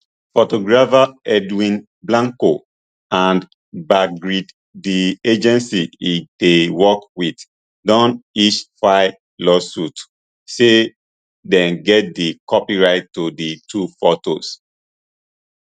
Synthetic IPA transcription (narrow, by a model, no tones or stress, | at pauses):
fotoɡɹafaɛdwĩn | blãŋko | ãn | baɡɹid | died͡ʒɛ̃nsiidewɔkwid | dɔ̃niʃfaɪ | lɔsut | se | dɛ̃nɡɛt̚dikɔpiɹaɪtːoditʰufotos